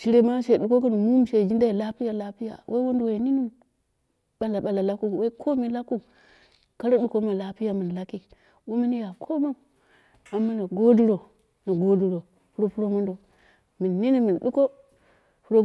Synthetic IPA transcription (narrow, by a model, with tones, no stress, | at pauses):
ʃi˨ɾe˦ma˦ʃe˨ɗu˨˦ko˦kə˦n˨mu˦m˨ʃe˨d͡ʒi˦nda˦i˨la˦pi˦ja˨la˦pi˦ja̰˨wʔe˦wo˦ndo˨we˨ni˦ni˦ | ɓa˨la˨ɓa˨la˨la˦ku˦˨we˦i˦kʰo˦mi˨la˦ku˦ | ka˦ɾa˦ɗu˨ko˦ma˨la˦pi˦ja˨mi˨n˨la˦ki˦ | wo˦mi˦n˦ja˨kʰo˦ma˦˨ | a˨mːa˦na˨ɡo˦du˦ɾo˨ | na˨ɡo˦du˦ɾo˨ | pu˦ɾo˦pu˦ɾo˦mo˦ndo˨ | mi˨nːi˦ni˦mi˨nɗu˦ko˦ | pu˦ɾo˦